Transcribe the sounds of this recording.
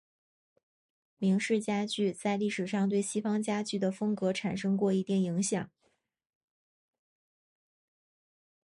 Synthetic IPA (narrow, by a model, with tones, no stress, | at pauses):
mi˧˥ŋʂɻ̩˥˩t͡ɕja˥t͡ɕy˥˧t͡sa˥˧ɪli˥˩ʂɻ̩˨˩ʂɑ˥˧ŋt̪we˥˩ɪɕi˥fɑ˥ŋt͡ɕja˥t͡ɕy˥˩d̪ə˩fɤ˥ŋkɤ˧˥ʈ͡ʂʰa˨˩nʂɤ˥ŋkwɔ˥˩i˧˥t̪i˥˩ni˧˥ŋɕjɑ˨˩˦ŋ